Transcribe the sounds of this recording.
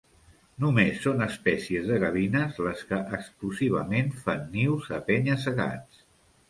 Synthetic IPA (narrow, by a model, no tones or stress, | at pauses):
numesːonəspɛsiəzðəɣəβinəzləskəʔəkskluziβ̞ə̰menfanːiwzəpɛɲəs̬əɣa̰t͡s